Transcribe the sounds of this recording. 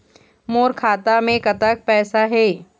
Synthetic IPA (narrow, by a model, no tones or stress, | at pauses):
moːɾkʰaːt̪amẽkɐt̪ək̚pɛːsaɦɛː